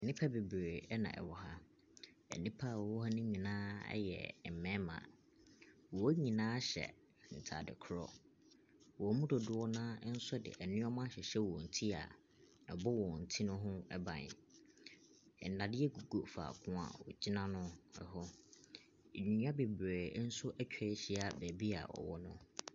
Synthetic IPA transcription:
ɛ˨nĩ˦pʰa˦be˨bɾe˨ɛ˦nã̰˨ʔɛ̰˨wɔ˦ɦa˦ | ɛ̰˨nĩ˦pʰa˦˨ɔ˨wɔ˦ɦa˦nʊ̃˦ɲĩ˨nãː˦ɛ̰˦jɛ̰˨m̩˨mɛ̃˦mã̰˨ | wɔ˨˦ɲĩ˨nãː˦ɕɛ̰˨ | n̩˨tʰa̰˨dɪ̰˨kʰʊ˦ɾɔ̰˦ | wɔ˨˦mũ˦dɔ˨dʊ˦wɔ˦nãː˦n̩˦sɔ˦dɪ̰˨ʔɛ˨nɪ̃˦ɔ˦mã˦ɕɛ˨ɕɛ˦wɔ˨n̩˨tʰi˦a̰˨ | ɛ˨bɔ˦wɔ˨n̩˨tʰi˦nʊ̃˦ɦʊ̃˦ɛ˦bã̰˨n̰˨ | ɛ˨n̩˨nã˨dɪ˦ɛ˦ɡu˨ɡo˦fa̰ː˨kʰʊ̃˦a̰˨wɔ̰˨d͡ʑi˦nã˦nʊ̃˦ɛ˨ɦɔ˦˨ | ɲᶣĩ˨ɲ˦ã˦be˨bɾe˨˦n̩˦sʊ˦ʔɛ˦t͡ɕᶣʰɛ˦ɕi˦a˨bæ˨bi˦a̰˨ɔ̰˨wɔ˦nʊ̃˦

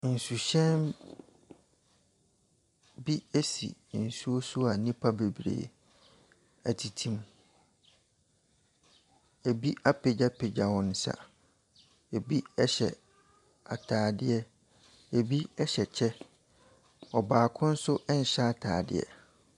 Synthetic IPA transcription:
n̩˨su˨ɕɛ̃˦n | bi˦e˦sḭ˨n̩˨su˦o˦su˦a˨nĩ˦pʰa˦be˨bɾḛː˨ | æ˨tʰi˨tʰĩ˦m˦ | e˨bi˦a˦pʰe˨d͡ʑa˦pʰe˨d͡ʑa˨wɔ̃˨n̩˨sa̰˨ | e˨bi˦ɛ˦ɕɛ˨ | a̰˨tʰaː˨dɪ˦ɛ˦ | e˨bi˦ɛ˦ɕɛ˨t͡ɕʰɛ˦ | ɔ˨baː˨kʰʊ̃˦n̩˦sʊ˦ʔɛ˦n̩˨ɕɛ˦a˦˨tʰa̰ː˨dɪ̰˦˨ɛ̰˨

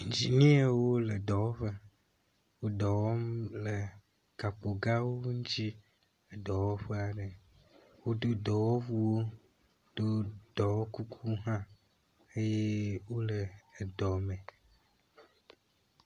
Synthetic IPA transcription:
d͡ʑi˨ɲĩ˦e˦wo˦lə˨d̪ɔ˨wɔ˦ɸə˦ | wo˦ɖ̪ɔ˨wɔ˦mlə˨ | ka˨po˨ɡa˦wo˦ŋũ˦t͡ɕi˦ | e˨d̪ɔ˨wɔ˦ɸe˦a˨ɖə˨ | wo˦d̪o˦d̪ɔ˨wɔ˦vu˦wo˦ | ɖ̥o˦d̪̥ɔ˨wɔ˦ku˦kʰu˦ɦã˦ | e˦je˦wo˦lə˨d̪ɔ˨mẽ˨

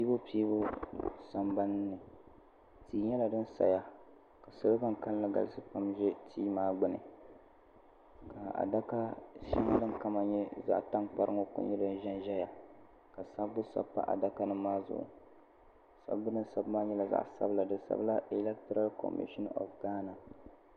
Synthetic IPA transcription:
pi˦bo˦pi˦bo˦sa˨mba˦n˦nɨ˨ | tʰiː˦ɲɛ˦la˨dɨ˦n˦sa̰˨ja˦ | ka˨sɨ˦bɨ˦ba˦ŋka˦lla˦ɡa̰˨lɨ˦sɨ˦pa˦mʒɛ˦tʰiː˦maː˦ɡ͡bɨ˦nɨ̰˨ | ka˨a̰˨da˦ka˦ʃḭ˦ŋ˦lɨ˦ŋka˦ma˨ɲɛ˦za̰˨ʔta˦ŋk͡pa˦ɾɨ˦ŋɔ˦kʊ̰˦ɲɛ˦dɨ˦n˦ʒɛ˦nʒɛ˦ja˨ | ka˨sa˦bːʊ˦sa̰˦pːa̰˦ʔa̰˨da˦ka˦nɨ˦maː˦zʊ̰˨ʔʊ̰˨ | sa̰˦bːɨ˦nɨ˦nsa˦bmaː˦ɲɛ˦la˨za̰˦˨ʔsa̰˦bla˨dɨ˦nsa̰˦bla˦ʔi˨lɛ˦k̚tɔ˦ɾa˦lkɔ̰˨mḭ˦ʃɔ˦nɔ̰˨fɡaː˦na˨

